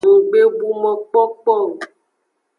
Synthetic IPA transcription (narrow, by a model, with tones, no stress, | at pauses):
ɡ͡be˦bu˨mɔ̃˨k͡pɔ˦k͡pɔ˦˨